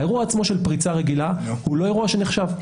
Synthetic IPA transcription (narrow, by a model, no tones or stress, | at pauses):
e̞ʁuaːt͡smo̞ʃe̞lpʁit͡saʁeɡilahulo̞e̞ʁuaʃe̞neχʃav